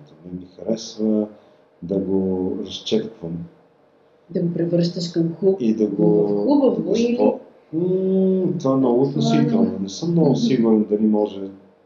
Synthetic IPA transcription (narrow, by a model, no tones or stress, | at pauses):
d̪ənɛmixɐɾɛsvə | d̪ɐɡoɾɐst͡ʃɛt̪k̪vəm | d̪ɐɡopɾivəɾʃt̪əʃkɐmxuid̪ɐɡoubəvɐsilɔ | t̪vanɐut̪nosik̪alˠɐnɛsəmnɔɡʊsiɡʊɾɛnd̪ɐlimɔʒɛ